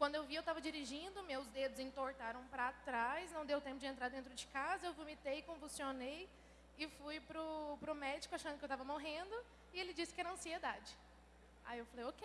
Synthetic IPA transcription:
kwɐ̃d̪ʊewviewt̪avɐd͡ʒiɾiʒĩnd̪ʊmewzd̪ed̪ʊzẽt̪oɾt̪aɾɐ̃w̃pɾɐːt̪ɾajsnɐ̃w̃d̪ewt̪ẽpʊd͡ʒɪẽnt̪ɾaɾd̪ẽnt̪ɾʊd͡ʒɪkazɐewvumit̪ejɪkõvusionej | ɪfujpɾʊpɾʊmɛd͡ʒikʊaʃɐ̃nd̪ʊkewt̪avɐmoɦẽnd̪ʊ | ɪelɪd͡ʒisɪ̥kɪɛɾɐɐ̃sied̪ad͡ʒɪ | a̰iewfalejokej

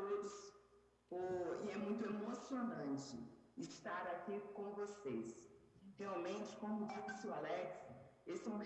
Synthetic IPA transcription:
od̪ʊs | oɪɛmũj̃t̪ʊemosionɐ̃t͡ʃɪ̰ɪst̪aɾakikõvosesheawmẽt͡ʃɪ̥kõmʊd͡ʒissɪʊalɛksesõ

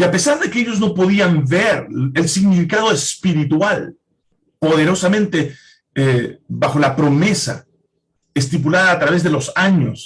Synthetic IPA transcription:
iape̞saɾðe̞keeʝo̞zno̞po̞ðiambe̞ɾelsiɣnifikað̞oespiɾit̪wal | po̞ð̞e̞ɾo̞samẽnt̪e | ebaxo̞lapɾo̞me̞sa̰ | est̪ip̬ulaðaːt̪ɾaβe̞zðe̞lo̞saɲo̞s

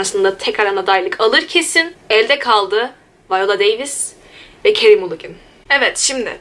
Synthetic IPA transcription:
ɾasɯnd̪at̪ʰɛcaɾanad̪ajlˠɯkʰalˠɯɾcʰe̞sinɛlʲd̪ɛkʰalˠd̪ɯ | vajolˠad̪ejvis | vɛcʰeɾimulˠuɡʲɯn | ɛvɛt̪ʃimd̪ɪ̰

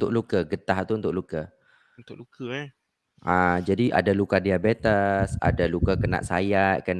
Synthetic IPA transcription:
nt̪ʊʔ̚lukəɡət̪aht̪uunt̪ʊ̰ʔlukə | unt̪ʊklukə | ʔãd͡ʒadiʔa̰dalukadiabet̪asa̰dalukakəna̰ʔsa̰jaʔkən

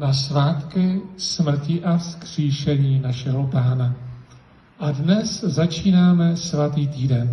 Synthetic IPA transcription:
nasvaːt̪kɪsmr̩cɪʔafskr̥iːʃɛɲiːnaʃɛɦo̞paːna | ʔadnɛszat͡ʃiːnaːmɛsvat̪iːt̪iːdɛn

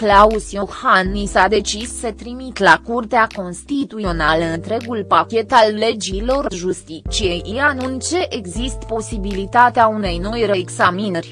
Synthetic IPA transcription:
klausjohanːisad̪e̞t͡ʃisːət̪ɾimit̪lakurt̪eako̞nst̪it̪uio̞naləɨnt̪ɾe̞ɡulpakʲe̞t̪alːe̞d͡ʒilo̞rʒust̪it͡ʃije̞jʔijanunt͡ʃe̞ʔeɡzist̪po̞sibilit̪at̪eaune̞jno̞jɾeːɡzaminerʲ

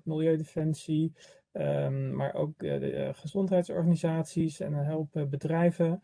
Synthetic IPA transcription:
mɪlˠjøɥdefɛnsi | ma̰ːɹʔo̰wk̚χəzɔntɦɛjtsɔ̰ɹχanizaːtsisɛ̰nəɦɛlˠpbədrɛjvə

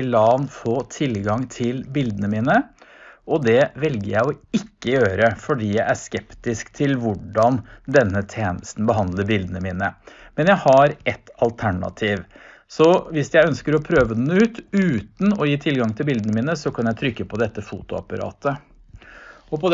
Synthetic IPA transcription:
lɑːnfoːt̪ʰɪlɡɑŋt̪ʰɪlbɪld̪ənəmiːnə | ɔd̪ɛʋɛlɡə̰jæɪɔɪkːəjøːɾəfɔɖiːjæɪæʂkɛpt̪ɪskt̪ʰɪlʋʊɖɑnd̪ɛnːət̪ʰeːnəst̪n̩bəɦɑnd̪ləɾbɪld̪ənəmiːnəmɛnjæɪhɑɾɛt̪ːɑlt̪ʰæɳɑ̰t̪ʰiːʋ | sɔʋɪsjæɪœnskəɾɔpʰɾøːʋəd̪ɛnːʉːt̪ʉːt̪n̩ɔjiːt̪ʰɪlɡɑŋt̪ʰɪlbɪld̪ənəmiːnəsɔkʰɑnjæɪt̪ʰɾʏkːəpʰɔd̪ɛt̪ːəfṵːt̪ʊɑ̰pɑɾɑ̰ːt̪ə | ɔpʰɔd̪

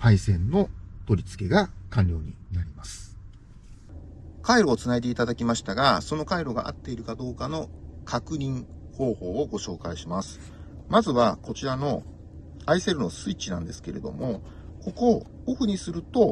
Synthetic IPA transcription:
haisẽ̞nːo̞t̪o̞ɾʲit͡sɨ̥ke̞ɡakãnʲɾʲjo̞ːɲ̟inaɾʲimasɨ̥ | kaiɾo̞ːt͡sɨnaid̪e̞it̪ad̪akʲimaɕi̥t̪aɡaso̞no̞kaiɾo̞ɡa̰ʔa̰t̪ːe̞iɾɯ̟kad̪o̞ːkano̞kʰakɯ̟ɲ̟ʲĩɴ̃ | ho̞ːho̞ːoɡo̞ɕo̞ːkaiɕimasɨ̥ | mazɨβako̞t͡ɕiɾano̞ | aise̞ɾɯ̟no̞sɨit͡ɕːinã̰nd̪e̞sɨ̥ke̞ɾe̞̰d̪o̞̰mo̞ | ko̞ko̞ | oɸɯ̟ɲ̟isɨɾɯ̟t̪o̞

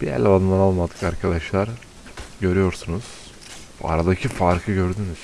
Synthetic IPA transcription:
b̥ijæ̰lʲalˠanˠanalˠmad̪ɯkaɾkʰad̪aʃlˠaɾ | ɟø̞ɾyjo̞ɾsunuz̥ | b̰a̰ɾad̪acʰifaɾkʰɯɟø̞ɾd̪ynyz̥

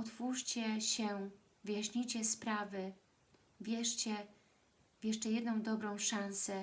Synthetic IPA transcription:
ɔt̪fuʂt͡ɕɛɕɛ | vɘjaɕɲijt͡ɕɛspɾavɘ | vʲjɛʂt͡ɕɛ | vʲjɛʂt͡ʂɛjɛd̪nɔ̃w̃d̪ɔbɾɔ̃w̃ʂãñsɛ

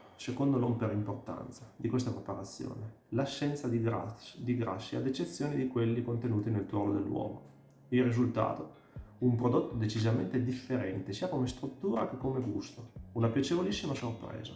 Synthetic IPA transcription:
sekond̪olɔmpeɾaimport̪a̰nt̪sad̪ikwest̪apɾepaɾat̪sːjo̰ːne | laʃːɛnt̪sad̪id̪iɡɾa̰sːia̰d̪et͡ʃːet̪sːjoːnid̪ikwelːikont̪enuːt̪enelt̪wɔlod̪elːwɔ̰ːmo | ilrːizult̪a̰ːt̪o | umpɾod̪ot̪ːod̪et͡ʃizament̪ed̪ifːeɾɛnt̪esiːakomest̪ɾut̪ːuːɾa̰kekːomeɡṵst̪ounapjat͡ʃevolisːimasorpɾɛ̰ːza

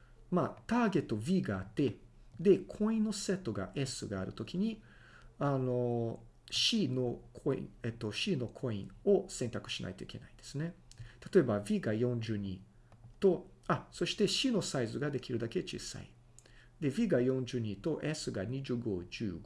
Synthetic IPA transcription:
maːt̪aːɡe̞t̪ːo̞bʲiːɡaːt̪ːe̞d̪e̞kʰo̞ĩnːo̞se̞t̪ːo̞ɡa̰ʔe̞sɨɡaːɾɯ̟̰t̪o̞kʲiɲ̟i | ano̞ | ɕinokʰoḭ̃et̪ːo̞ɕino̞kʰo̞ḭ̃o̞sẽ̞nt̪akɯ̟̥ɕina̰it̪o̞ike̞̰naid̪̥e̞̥sɨne̞t̪at̪o̞e̞babʲiːɡajõ̞ɲ̟d͡ʑɨːɲ̟i | t̪o̞aso̞ɕi̥t̪e̞ɕino̞saizɨɡad̪e̞kʲiɾɯ̟d̪ake̞t͡ɕḭsa̰ḭ | d̪e̞bʲiːɡajõ̞ɲ̟d͡ʑɨːɲ̟it̪o̞ʔesɨɡaɲ̟iʑɨɡo̞ːd͡ʑɨː

